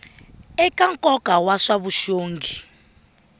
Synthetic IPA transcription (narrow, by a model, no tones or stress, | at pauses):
ɛkʼaŋkʼɔkʼawaʂaβuʃoːŋɡʱi